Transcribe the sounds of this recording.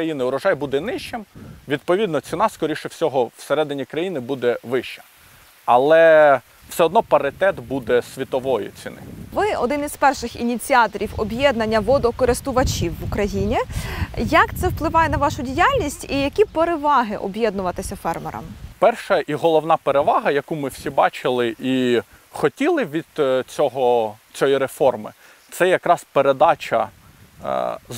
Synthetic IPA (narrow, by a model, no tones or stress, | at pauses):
kɾɐjinɪʊɾɔʒɑjbud̪ɛnɪʃt͡ʃɪmʋʲid̪̚pɔʋʲid̪nɔt͡sʲinɑskɔɾʲiʃɪfsʲɔɦɔwseɾɛd̪ɪnʲikɾɐjinɪbud̪ɛʋɪʃt͡ʃɐ̥ | ɐlˠɛ | w̥sɛɔd̪nɔpɐɾɪt̪ɛt̪bud̪ɛsʲʋʲit̪ɔʋɔjʊ̰t͡sʲinɪ̰ʋɪɔ̰d̪ɪniz̥pɛrʃɪxḭnʲit͡sʲiɑt̪ɔɾʲiwɔbjɛd̪nɐnʲːɐʋɔd̪ɔkɔɾɪst̪ʊʋɐt͡ʃiwːʊkɾɐjinʲijɐkt̪sɛwplˠɪʋɑjɛnɐʋɑʃʊdʲijalʲnʲisʲtʲijɐkʲipeɾeʋɑɦɪʔɔbjɛd̪nʊʋɐt̪ɪsʲɐfɛrmɛ̰ɾɐ̰mpɛrʃɐʔiɦɔlˠɔwnɑpeɾeʋɑɦɐjɐkumɪw̥sʲibɑt͡ʃɪlˠɪʔi | xɔtʲilˠɪʋʲid̪̥t͡sʲɔɦɔt͡sʲɔjiɾefɔrmɪ̰ | t̪sɛjɐkɾɑspeɾed̪ɑt͡ʃɐ̰